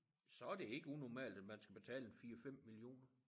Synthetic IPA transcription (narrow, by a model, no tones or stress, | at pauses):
sɒ̽æɐd̥e̝e̝ɡ̥əunɒmɛ̰ːld̥æd̥mænsɡ̥æb̥e̝t͡sʰɛ̰ːləenfiːɐfem̰milio̝̰ːnɐ